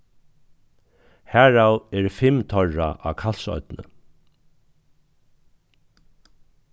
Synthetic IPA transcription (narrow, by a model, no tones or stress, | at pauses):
hæːɹawɛɹfɪmt̪ʰɔɹa̰ʔakʰal̥sɔ̰ʏt̪nə̰